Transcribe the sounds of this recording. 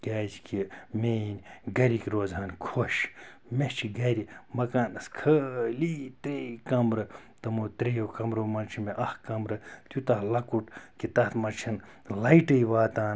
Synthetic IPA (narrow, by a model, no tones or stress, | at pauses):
ɡaːzkimenʲɡɐɾʲikʲɾoːzɦɐnkʰoʃ | met͡ʃʰiɡɐɾʲimɐkaːnɨskʰəlit̪ɾikɐmɾɨt̪ɐmoːt̪ɾijokɐmɾoːmɐnt͡ʃʰimeʔɐhkɐmɾɨt̪ut̪ɐhlɐkuʈkit̪ɐt̪mɐt͡ʃʰɐn | lɐiʈɨjʋaːt̪aːn